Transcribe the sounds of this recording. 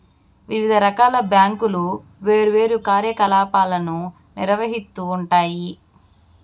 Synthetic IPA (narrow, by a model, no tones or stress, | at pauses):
ʋiʋid̪ʱɐɾɐkaːlɐbjaːŋkulu | ʋeːɾuʋe̞ːɾukaːɾjɐkɐlaːpaːlɐnu | niɾɐʋɐɦit̪ːuːɳʈaːji